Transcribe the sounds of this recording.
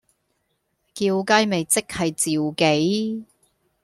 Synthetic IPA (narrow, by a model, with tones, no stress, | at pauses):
kiː˧wka˥jme˨jt͡sɪ˥k̚hɐ˨jt͡siː˨wke˨˥j